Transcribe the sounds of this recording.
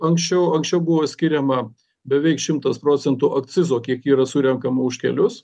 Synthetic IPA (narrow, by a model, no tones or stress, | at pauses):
ɐŋksʲt͡ʃʲɛʊɐŋksʲt͡ʃʲɛʊbʊʋoːsʲkʲɪɾʲɛmɐ | bʲɛʋʲɛɪkʃʲɪmt̪ɐspɾoːt̪sʲɛnt̪ʊʔɐkt̪sʲɪzoːkʲiɛkiːɾɐsʊɾʲɛŋkɐmɐʊʃʲkʲɛ̰lʲʊs